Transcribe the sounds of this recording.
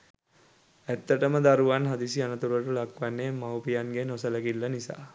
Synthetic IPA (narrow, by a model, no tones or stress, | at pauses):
æt̪ːəʈəməd̪aɾuʋanɦad̪isianət̪uɾəʈulakʋanːemawpijanɡenosələkilːənisa̰ː